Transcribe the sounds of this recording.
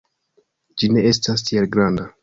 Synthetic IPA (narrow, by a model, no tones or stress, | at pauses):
d͡ʒine̞e̞stas̬tʰielɡɾanda